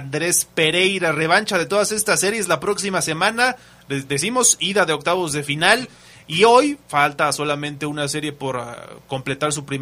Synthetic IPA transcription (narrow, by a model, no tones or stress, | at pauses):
nd̪ɾe̞spe̞ɾe̞jɾare̞β̞ant͡ʃað̞e̞t̪o̞ðase̞st̪asːe̞ɾje̞zlapɾo̞ksimase̞mãna | ðe̞simo̞siðaðe̞o̞k̚t̪aβo̞zðe̞final | io̞jfalt̪aso̞lamẽnt̪e̞unase̞ɾje̞po̞ɾko̞mple̞t̪aɾs̬upɾim